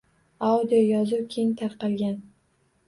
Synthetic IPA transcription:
awd̪ijojɒzʊwkʲʰejɪŋt̪ʰaɾqɑlˠɡʲan

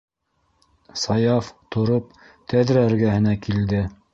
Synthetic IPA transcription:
sɑjɑft̪ŏɾop̚ | t̪æðɾææɾɡæhɘ̆nækild̪ɘ

